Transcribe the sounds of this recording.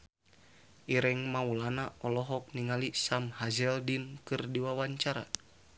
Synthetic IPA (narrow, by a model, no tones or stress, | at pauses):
ʔiɾɛŋmaulanaʔɔlɔɦɔk̚niŋalisamhazɛldinkɨrdiwawaɲt͡ʃaɾa̰